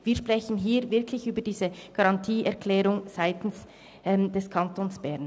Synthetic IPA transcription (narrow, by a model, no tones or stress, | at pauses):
viːɐʃpʁ̥ɛçən̩ɦiːvɪɐkʰlɪçyːbəd̥iːzəɡ̥ɑʁɑntʰiːɛɐkʰlɛːʁʊŋz̥aɪtn̩s | ʔɛmdɛskʰɑntoːnsb̥ɛɐn